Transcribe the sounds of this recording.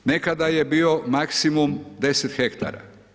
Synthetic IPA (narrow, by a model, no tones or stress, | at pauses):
nekad̪aje̞biːo̞maksimumd̪e̞set̪xekt̪a̰ɾa̰